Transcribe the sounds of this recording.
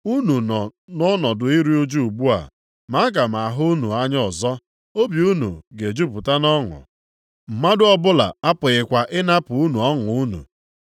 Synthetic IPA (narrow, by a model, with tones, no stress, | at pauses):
u˦nu˨nɔ˨nɔ˦nɔ˨dʊ˨i˦ɾi˦u˦d͡ʒu˦u˨ɡ͡bu˦a̰˨ | ma˨˦a˦ɡa˨m̩˨a˨ɦʊ˦u˦nu˨a˦ɲ˦ɔ˨zɔ˦ | o˦bi˨u˦nṵ˨ɡe˨d͡ʒu˦pʊ˨ta˦nɔ˦ŋʊ̰˨ | m̩˨ma˦dʊ˦ɔ˦bʊ˦la̰˨a˦pʊ˨ɣɪ˨kʷa˨ʔɪ˦na˦pʊ˨u˦nu˨ɔ˦ŋ˨u˦nṵ˨